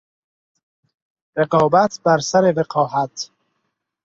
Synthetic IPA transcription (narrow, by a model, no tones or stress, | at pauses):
ɾeqɒːbæt̪ʰbæɾsæɾeveqʰɒːɦæt̪ʰ